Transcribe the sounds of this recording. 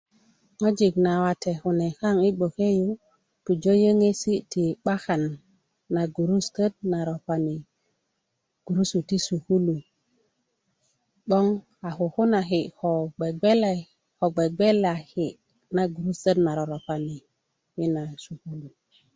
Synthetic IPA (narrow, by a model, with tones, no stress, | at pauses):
ŋo˦d͡ʒi˨kna˨wa˨te˨hu˨ne˨ka˦ŋi˦ɡ͡bo˨ke˦ju˦ | tu˨d͡ʒo˦jə˦ŋe˦si˦ti˨ɓa˦xa˨nː | a˨ɡu˨ɾu˦stə˦d̚na˨ɾo˨pa˨ni˨ | ɡ̥u˨ɾu˦su˨ti˦su˨ku˦lu˨ | ɓo˦ŋ | a˨xu˨hu˦na˨ɦi˨ho˨ɡ͡be˨ɡ͡be˦la˨ | ho˨ɡ͡be˨ɡ͡be˦la˨hi˨ | na˨ɡu˨ɾu˦stə˦dna˨ɾo˨ɾo˨pa˨ni˨ | wi˦na˨su˨ku˦lu˨